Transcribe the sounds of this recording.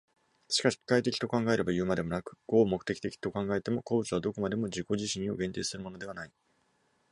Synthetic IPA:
ɕi̥kaɕi̥i̥kait̪̬e̞kʲi̥t̪o̞kãŋɡae̞ɾe̞bajɯ̟ːmad̪e̞mo̞nakɯ̟̥ɡ̥o̞ːmokɯ̟̥e̞kʲi̥t̪e̞kʲi̥t̪o̞kãŋɡae̞t̪e̞mo̞koːbɯ̟t͡sɨβad̪o̞ko̞mad̪e̞mo̞ʑiko̞ʑiɕĩɰ̃o̞ɡẽ̞nt̪e̞ːsɨɾɯ̟mo̞no̞d̪e̞βanai

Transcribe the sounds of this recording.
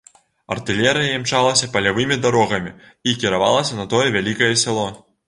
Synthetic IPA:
ɐ̰rt̪ɨlʲɛɾɨjɐjɛmt͡ʂalˠɐsʲɐpɐlʲavɨmʲid̪aɾɔɣɐmʲi | ikʲiɾava̰lˠɐsʲɐnɐt̪ɔjɛvʲalʲikɐjɛsʲɛlˠɔ

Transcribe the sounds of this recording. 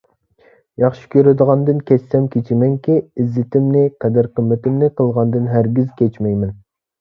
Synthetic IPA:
jɑχʃi̥kʲøɾɪd̪əʁɑnd̪ɨnkʲɛssɛmkʲʰet͡ʃʰɪmɛŋkʲiizːɪt̪ʰɪmnɪqʰɛd̪æɾqʰəmːɪt̪ɪmnɪqʰəlˠʁɑnd̪ɨnɦæɾɡʲizkʲʰɛt͡ʃmɛjmɛn

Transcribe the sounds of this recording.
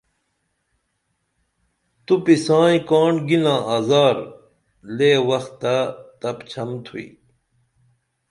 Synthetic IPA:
t̪upisãːĩkaːɳɖɡilãːʔaːzaːɾ | leːwɐxt̪ːat̪ɐpt͡ɕʰɐmt̪ʰuḭ

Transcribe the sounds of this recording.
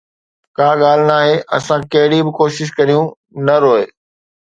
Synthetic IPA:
kaːɠaːl̤ɪnaːɦeʔɐ̰sãkɐɦɪɽibɪkoːʃɪʃ̬kɐɾijũ | nɐɾoːe

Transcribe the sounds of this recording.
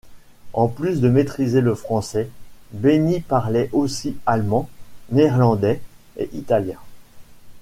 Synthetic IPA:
ɑ̃plysd̪əmet̪χizeləfχɑ̃sɛbenipaʁlɛʔosialmɑ̃neːʁlɑ̃d̪ɛ | ḛʔit̪aljɛ̰̃

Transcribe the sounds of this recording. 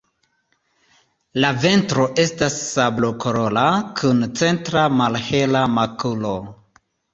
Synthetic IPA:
lave̞ntɾo̞ʔe̞stasːablokʰoɾo̞lakʰunt͡se̞ntɾamalhe̞lamakulo̞

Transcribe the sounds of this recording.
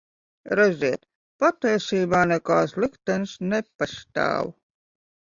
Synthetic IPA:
ɾɛzʲiɛt̪ | pat̪ːɛjsiːbaːnɛkaːslˠikt̪ɛnsnepaʃt̪a̰ːwu

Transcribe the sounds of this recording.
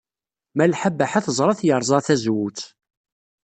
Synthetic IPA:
mælħabːaħaθəzˤɾˤɑθjəɾˤzˤɑθæzwut͡s

